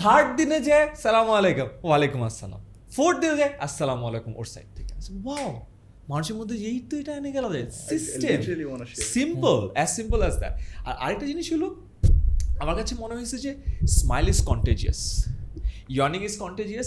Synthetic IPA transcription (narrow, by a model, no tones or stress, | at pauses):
t̪ʰaɾʈ̚d̪inɐd͡ʒajsɐlaːmuɐleːkumʋaleːkumɐsːɐla̰ːm | pʰoːɾʈ̚d̪inɐd͡ʒajɐsːɐlaːmɐlekumo̰ʈsɐ̰jʈ̚t̪iksɐʋaw | manuʃemud̪ʱːɐejt̪oiʈajneɡɛlɐd͡ʒasisʈemsimpɐlæssimpəlɛːzd̪ɐ̰ʈ̚ʔa̰ɾek̚ʈɐd͡ʒiniʃulu | ɐmɐɾkat͡ʃʰemɔnɐʋisɐd͡ʒesmajlizkɔɳʈeːd͡ʒiɐ̰s | jɔnĩŋɡiskɔɳʈed͡ʒijɐs